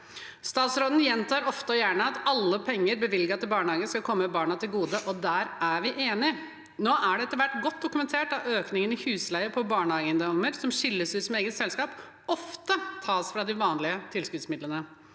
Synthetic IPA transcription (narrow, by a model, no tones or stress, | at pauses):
st̪ɑːt̪sɾoːd̪n̩jɛnt̪ʰɑːɾɔft̪əɔjæːɳəɑt̪ɑlːəpʰɛŋːəɾbəʋɪlɡɑt̪ʰɪlbɑːɳəhɑːɡənskɑlkʰɔmːəmɛbɑːɳɑt̪ʰɪlɡuːd̪əʔɔd̪æːɾæʋɪʔeːnɪ | noːʔæɖɛɛt̪əʋæʈːɡɔt̪ːd̪ʊkʉmɛnt̪ʰeːʈɑøːknɪŋənɪhʉːslæɪəpʰɔbɑːɳəhɑːɡənd̪ɔməɾsɔmɕɪlːəsʉːsɔmeːɡət̪sɛlskɑːp | ɔft̪ət̪ʰɑːsfɾɑd̪ɪʋɑːnlɪət̪ʰɪlskʉːd̪smɪd̪lənə